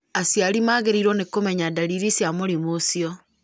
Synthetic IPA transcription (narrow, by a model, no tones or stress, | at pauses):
asjaɾimaːɣeɾiɾwɔnekomɛɲadaɾiɾisjamoɾimosiɔ